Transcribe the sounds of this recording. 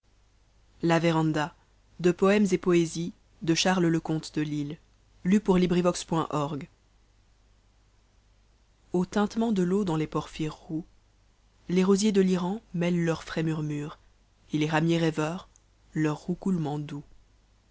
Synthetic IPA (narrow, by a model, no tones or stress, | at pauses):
laveʁɑ̃d̪a | d̪əpɔɛmzepɔezi | d̪əʃaʁlləkɔ̃t̪d̪əlil | lypuʁlibʁivɔkspwɛ̃ʔɔʁɡ | ot̪ɛ̃t̪mɑ̃d̪əlod̪ɑ̃lepɔʁfiʁːu | leʁozjed̪əliʁɑ̃mɛllœʁfχɛmyʁmyːʁ | eleʁamjeʁɛvœːʁ | lœʁːukulmɑ̃d̪u